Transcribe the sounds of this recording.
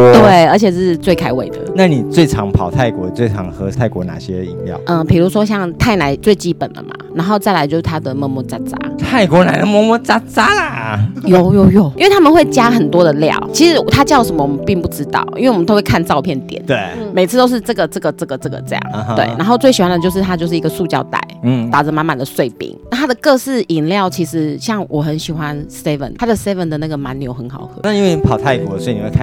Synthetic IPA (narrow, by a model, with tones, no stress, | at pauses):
t̪we˥˩ɪə˞˧˥t͡ɕʰɛ˨˩ʂɻ̩˥˧t͡swe˥˩ɪkʰa˥ɪwe˨˩ɪd̪ə̰˦na˥˩ni˨˩t͡swe˥˩ɪʈ͡ʂʰɑ˧˥ŋpʰɑ˨˩ʊt̪ʰa˥˩ɪkwɔ̰˧˥t͡swe˥˩ɪʈ͡ʂʰɑ̰˧˥ŋxɤ˥t̪ʰa˥˩ɪkwɔ˧˥na̰˨˩ɕjɛ̰˦ḭ˧˥ŋjɑ̰˨˩ʊʔə˥˧pʰi˨˩lu˧˥ʂwɔ˥ɕ̬jɑ˥˧ŋt̪ʰa˥˩ɪna˧˥ɪt͡swe˥˧ɪt͡ɕi˥pə˨˩nlə̰˩ma̰˨˩na˧˥nxo˥˧ʊt͡sa˥˩ɪla˧˥t͡ɕjo˥˧ʊʂ̩˥˩t̪ʰa˥d̪ə˨mɔ˥˧mɔ˥˩t͡sa˥t͡sa̰˥t̪ʰa˥˩ɪkwɔ˧˥na˨˧ɪd̪ə˨mwɔ˥˧mɔ˥t͡sa˥t͡sa˥la˨jo˥˩ʊjo˥˧ʊjo˥˩ʊi˥nwe˥˩ɪtʰa˥mə˨nxwe˥˩ɪt͡ɕja˥xə˨˩nt̪wɔ˥d̪ə˨ljɑ̰˨˩ʊt͡ɕʰi˧˥ʂɻ̩˧˥˩t̪ʰa˥t͡ɕjɑ˥˩ʊʂə˧˥mə˨wɔ˨mə˨˦npi˥˧ŋpu˥˩ʈ͡ʂɻ̩˥t̪ɑ̰˥˩ʊʔḭ˥nwe˥˩wmə˨˩o˥we˥˧kʰa˥˧nʈ͡ʂɑ˥˧ʊpʰjɛ˥˩nt̪jɛ̰˨˩˦nt̪we˥˩me˨˩ɪt͡s̩ʰ˥t̪o˥ʊʂɻ̩˥˧ʈ͡ʂɤ˥˩ɡə˩ʈ͡ʂɤ˥˩ɡə˩ʈ͡ʂɤ˥˩ɡə˨˩ʈ͡ʂɤ˥˩ɡə̰˩ʈ͡ʂɤ˥˧jɑ̰˥˩ŋ˧˩˧wḛ˥˩ɪa˧˥nxo˥˧ʊt͡swe˥˩ɪɕi˨˩wa˥nd̪ə˨t͡ɕjo˥˧ʊʂɻ̩˥˩t̪ʰa˥t͡ɕjo˥˧ʂɻ̩˥˩i˧˥ɡə˨˧su˥˧t͡ɕjɑ̰˥˩ʊt̪a̰˨˩˦ɪ˩t̪a˨˩ʈ͡ʂə˧˦ma˧˥nma˨nd̪ə˩swe˥˩ɪpḭ˧˥ŋna˥˩t̪ʰa˥d̪ə˨kɤ˥˧sɹ̩˥˩i˨˩nljɑ˥˩ʊt͡ɕʰi˧˥ʂɻ̩˧˥ɕjɑ˥˩ŋwʔɔ˨˩xə˧˦nɕi˨˩xwa˦nse˥fə̰˨nʰa˥d̪ə˨se˥ɪvə˨nd̪ə˩na˥˩ɡə˩ma˧˦njo˧˥ʊxə˧˦nxɑ˨˩ʊxɤ̰˧˦na˥˨i˦nwe˥˩ɪ˧pʰɑ˨˩ʊt̪ʰa˥˩ɪkwɔ˧˩sɔ˧˥i˨ni˨˩we˥˧kʰ